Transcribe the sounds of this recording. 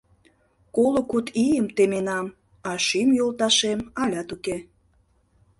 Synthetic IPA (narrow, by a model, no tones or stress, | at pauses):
kolokut̪ijəmt̪emenɑm | ɑʃimjolˠt̪ɑʃemɑlʲɑt̪uke